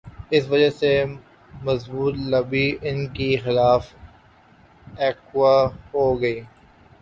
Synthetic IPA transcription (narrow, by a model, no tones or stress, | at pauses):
ɪsʋɐd͡ʒase | mɐzbuːt̪lɐbiʔɪnkixɪlaːf | ɛːkwaɦoːɡɐiː